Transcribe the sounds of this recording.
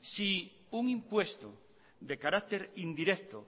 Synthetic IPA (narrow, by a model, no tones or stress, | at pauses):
si | uŋimpwest̪o | d̪ekaɾak̚t̪eɾind̪iɾek̚t̪o